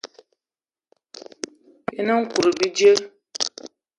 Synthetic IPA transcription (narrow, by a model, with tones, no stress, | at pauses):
e˦nə̃˦ŋ̩˦ku˨ɾɨ˨bi˦d͡ʒi˦e˦